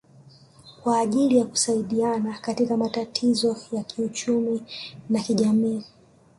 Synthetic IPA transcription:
kwaːʄilijaku̥saiɗianakatikamatatʰizɔjakʰiut͡ʃuminakiʄamiː

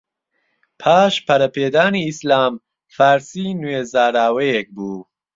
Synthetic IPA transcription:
pʰaːʃpʰɐɾɐpʰeːd̪aːniːslaːm | faɾsinuezaːɾaːwejek̚buː

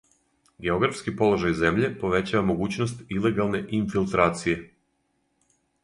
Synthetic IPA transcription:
ɡe̞o̞ɡɾafskipo̞lˠo̞ʒajze̞mʎe̞po̞ʋe̞t͡ɕaʋamo̞ɡuːt͡ɕnost̪ile̞ɡalˠne̞ʔinfilˠt̪ɾaːt̪sije̞

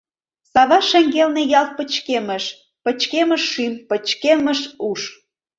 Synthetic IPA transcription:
sɑβɑʃeŋɡelnejɑlˠt̪̚pə̆t͡ɕkeməʃ | pə̆t͡ɕkemə̆ʃːimpə̆t͡ɕkemə̆ʃuʃ

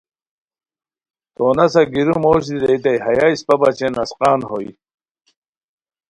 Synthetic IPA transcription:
t̪oːnɐsɐɡiɾumoːɕ̬d̪iɾeit̪̬ɐjɦɐjaispɐbat͡ɕenɐsqɑːnhoj

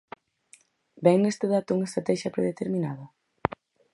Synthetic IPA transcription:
bɛŋnest̪eðat̪ʊuŋɐest̪ɾat̪ɛʃjɐpɾeðet̪eɾminaðɐ

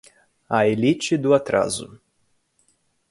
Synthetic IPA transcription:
ɐelit͡ʃɪd̪ʊat̪ɾa̰zʊ̰

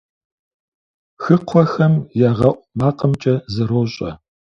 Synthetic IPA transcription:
xɨqʷʰɔxɐmjaːʁɐʔʷmaːqəmt͡ʃʼɐzɐɾoːɕʼɐ̰

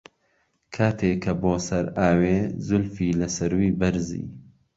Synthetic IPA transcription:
kʰaːt̪ʰeːkːɐboːsɐɾaːweːzʊlfiːlɐsɐɾwiːbɐɾzḭː

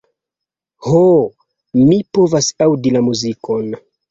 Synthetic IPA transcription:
ho | mipo̞vasawdilamuzikʰo̞n

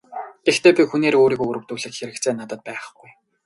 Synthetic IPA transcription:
ɡ̪̥ext̪ʰeːpʲixuneːɾoːɾiːkɵɣɾɘ̆wt̪uːɮɘ̆kxeɾɘ̆kt͡sʰeːnat̪ə̆t̪̚pæːχɡuj

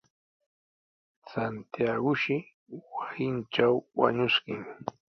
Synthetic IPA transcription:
sant̪jaɢʊʃɪ | wasɪnt͡ʃawwa̰ɲʊskɪŋ

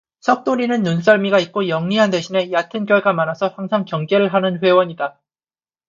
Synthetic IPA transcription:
sʰʌk̚t͈oɾinɯnːuns̬͈ʌɭmiɡait̚k͈ojʌŋɲiɦande̞ɕʰine̞jatʰɯnkjʌɭɡamanasʰʌhaŋsʰaŋkjʌŋɡeɾɯɭɦanɯnɸwe̞wʌɲida

